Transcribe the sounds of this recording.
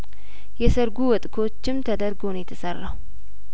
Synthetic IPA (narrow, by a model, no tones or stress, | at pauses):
jɛsəɾɡuwɔt̪ʼkʰo̞t͡ʃːɪmt̪ʰəd̪əɾɡo̞njɛt̪ʰəsərːaw